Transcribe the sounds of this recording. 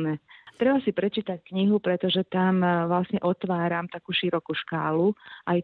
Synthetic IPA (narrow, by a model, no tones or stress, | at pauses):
nɛt̪ɾɛbasipɾɛt͡ʃiːt̪ackɲiɦupɾɛt̪ɔʒɛt̪amʋlasɲɛʔɔt̪ʋaːɾamt̪akuːʃiɾɔkuʃkaːluʔaj